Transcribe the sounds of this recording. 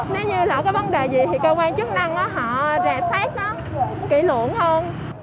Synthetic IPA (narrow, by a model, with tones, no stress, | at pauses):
ne˨˦wɲɨ˧laː˨˩wkaː˨˦jvə˨˦nɗe˨˩zi˨˩t̪ʰi˨˩kəː˧kwaː˧nt͡ɕɨ˦˥k̚na˧ŋʔaː˨˦ɦɔ̰˧˨zaː˨˩saː˦˥k̚ɗɔː˨˦ | ŋ͡mkḭ˧˩lə̰˧˨ənhə˧n